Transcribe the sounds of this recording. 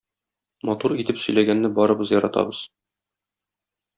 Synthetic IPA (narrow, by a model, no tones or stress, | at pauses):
mɒt̪uɾit̪ɘpsɵ̆jlæɡænːɘbɒɾɤ̆bɤzjɒɾɑt̪ɑ̰bɤz̥